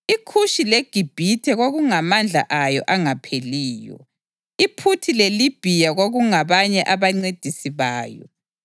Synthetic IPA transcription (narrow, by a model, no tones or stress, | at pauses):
ikʰuʃileɡ̥ʱib̥ʱitʰɛɣoɣuŋamand͡ɮʱa̰ʔajɔ̰ʔaŋapʰeliːjɔ̰ | ipʰutʰilelib̥ʱijaɣoɣuŋaβaɲɛʔaβaŋ͡ǀed̥ʱisiβaːjɔ̰